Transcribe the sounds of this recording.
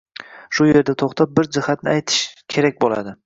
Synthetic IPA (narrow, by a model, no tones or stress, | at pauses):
ʃʊje̞ɾd̪at̪ʰoχt̪ʰap̚bɪɾd͡ʒɪhat̪̚nɪajt̪ʰɪ̥ʃkʲʰe̞ɾak̚ʲbola̰d̪ɪ